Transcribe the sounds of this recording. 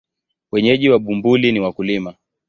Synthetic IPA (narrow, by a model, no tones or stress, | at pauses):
wɛɲɛʄiwaɓumbuliniwakulima